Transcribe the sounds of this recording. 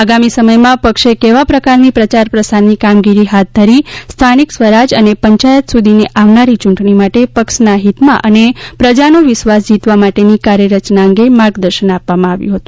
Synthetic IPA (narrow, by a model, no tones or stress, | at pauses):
aɡamisəməjmãpəkʃekeʋapɾəkaɾnipɾət͡ʃaɾpɾəsaɾnikamɡiɾiɦat̪̚d̪ʱəɾist̪ʰaniksʋəɾad͡ʒənepəɲt͡ʃajət̪sud̪ʱineʔaʋnaɾit͡ʃuɳʈɳimaʈepəkʃnaɦit̪mã̰ʔənepɾəd͡ʒanoʋɪʃʋas̬d͡ʒit̪ʋamaʈenikaɾjəɾət͡ʃnaəŋɡemaɾɡd̪əɾʃənapːamãaʋjṵ̃ɦət̪ũ̥